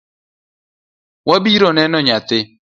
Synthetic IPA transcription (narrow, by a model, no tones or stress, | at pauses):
wabiɾɔnɛnɔɲat̪ɪ